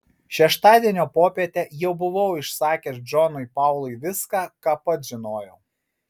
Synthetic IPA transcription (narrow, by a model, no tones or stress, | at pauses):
ʃʲɛʃt̪ɑːd̪ʲiɛnʲoːpoːpʲiɛt̪ʲɛjɛʊbʊʋɐʊɪʃsɑːkʲeɾd͡ʒɔnʊɪpɑˑʊlˠʊɪʋʲɪskɑːkɑːpɐt̪ʒʲɪnoːjɛʊ